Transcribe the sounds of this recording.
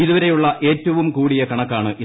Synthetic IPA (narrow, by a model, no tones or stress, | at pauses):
iðuʋɐɾe̞juɭːɐʔe̞ːtːɐʋumkuːɽijɐkɐɳɐkːaːɳɨʔi